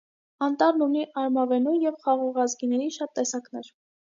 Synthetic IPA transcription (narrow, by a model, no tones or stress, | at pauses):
ɑnt̪ɑɾnuniʔɑɾmɑvɛnujɛvχɑʁɔʁɑzɡinɛɾiʃɑt̪ːɛsɑknɛɾ